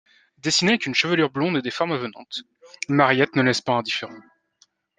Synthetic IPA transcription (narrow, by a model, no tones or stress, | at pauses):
d̪esinekynʃəvəlyʁblɔ̃d̪ed̪efɔʁmavənɑ̃t̪ | maʁijɛt̪nəlɛspaɛ̃d̪ifeʁɑ̃